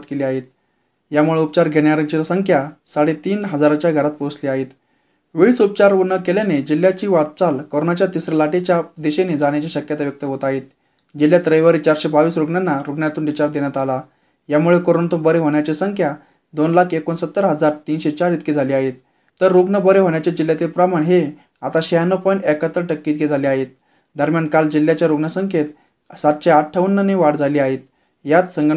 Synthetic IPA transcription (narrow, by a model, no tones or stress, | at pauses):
t̪keliːaɦet̪̚ | jamuɭeupt͡ɕaɾɡʱeɳjaɾt͡ɕesəŋkʰjasaɽet̪iːnɦəd͡zaɾat͡ɕjaɡʱəɾat̪̚posliːaɦet̪ | ʋeɭiːt͡sup̚t͡ɕaɾɦoɡnəkeljaned͡ʑil̤ːjat͡ɕiːʋat̪̚t͡salkoɾonat͡ɕjat̪isɾəlaʈet͡ɕjad̪eɕened͡zaɽ̃jat͡ɕaɕəkjat̪aʋjək̚t̪əɦot̪aɦet̪̚ | d͡ʑil̤jat̪ɾəjʋəɾit͡ɕaɾɕebaʋiːsɾoɡɳjanːaɾoɡɳjat̪uːnd̪it͡ɕaɾd̪eɳjat̪ala | jamuɭekoɾont̪ubəɾeɦoɳjat͡ɕesəŋkʰja | d̪onlakʰekonsət̪ːəɾɦəd͡zaɾt̪iːnɕet͡ɕaɾit̪kid͡zʱaliːaɦet̪ː | əɾːoɡɳəbəɾeɦoɳjat͡ɕjad͡ʑiljat̪iːlpɾamaɳɦe | at̪aɕejanːəpəjɳʈɛkat̪ːəɾʈəkːiːt̪ɡed͡zʱaliaɦet̪̚ | d̪əɾmʲjankald͡ʑilːjat͡ɕjaɾoɡɳəsəŋkʰet̪ | sat̪ɕeaʈʈʰːaʋənːəneʋaɽd͡zʱaliːaɦet̪̚ | jat̪səŋɡ